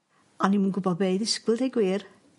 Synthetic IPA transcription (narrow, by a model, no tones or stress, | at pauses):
animunɡʊbɔðbeɨðɪskwɪlˠdejɡwiːr